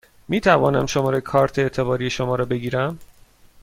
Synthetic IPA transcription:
miːt̪ʰævɒ̰ːnæ̰mʃo̞mɒːɾekʰɒːɾt̪ʰeːt̪ʰebɒːɾiːe̞ʃo̞mɒːɾɒːbe̞ɡiːɾæm

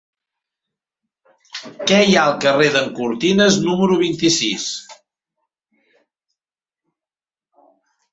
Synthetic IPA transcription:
kɛjaəlˠkəreðəŋkuɾt̪inəznuməɾuβ̞int̪isis

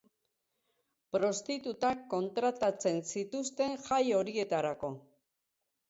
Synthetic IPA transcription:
pɾo̞st̪it̪ut̪akːo̞nt̪ɾat̪at͡se̞nsit̪ust̪e̞ŋʝajo̞ɾie̞t̪aɾako̞

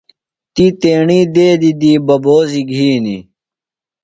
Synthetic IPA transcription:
t̪it̪eːɳiːd̪eːd̪id̪iːbɐboːziɡʱiːnḭ

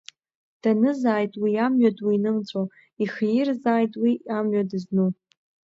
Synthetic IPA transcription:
d̥anɨzaːjtʼwiamɥadwiːnɨmt͡sʷʼo | iχjɪrzaːjtʼwiamɥadɨznu

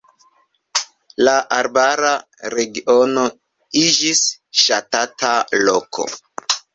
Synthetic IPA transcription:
laʔaɾbaɾa | ɾeɡio̞no | id͡ʒisʃatatalokʰo̞̰

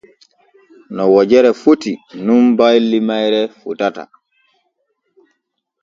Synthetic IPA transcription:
nɔwɔd͡ʒɛɾɛfutinumbajlːimajɾɛfutata̰

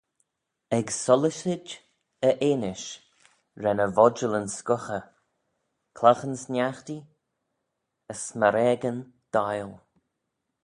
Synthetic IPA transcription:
ɛɡsɔlɪʃɪd͡ʒ | əʔeːnɪʃ | ɾɛnəvɔd͡ʒələnskʊxə | kʰlaxənsnjaxt̪i | əsməɾɛɡən | d̪̥ajl

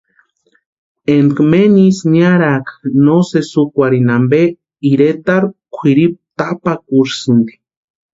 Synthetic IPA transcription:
enkmenisnaɾaknosesukʷaɾinambe | iɾet̪aɾkʷʰiɾip̚t̪apakuɾsɨnd̪i̥

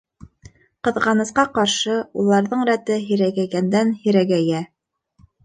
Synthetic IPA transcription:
qɤ̆ðʁɑnɤ̆sqɑqɑɾʃɤulˠɑɾðɤɴɾæt̪ɘɦĭɾæɡæɡænd̪ænhĭɾæɡæjæ

